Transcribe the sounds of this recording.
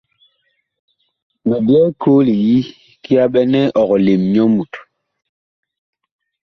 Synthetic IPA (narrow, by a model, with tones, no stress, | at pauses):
mɛ˨bjɛ˦kʰoː˦li˨ji˦ | ki˦a˦ɓɛ˦nɛ˦ʔɔ˨ɣɔ˨le˨mɲɔ˦mu˨t